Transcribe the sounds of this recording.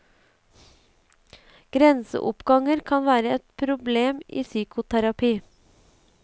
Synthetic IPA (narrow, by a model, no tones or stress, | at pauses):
ɡ̥ɾɛnsə̰ʔʊpɡɑŋəɾkʰɑnʋæːɾəɛt̪pʰɾʊbleːmḭːsyːkʊt̪ʰæɾɑpiː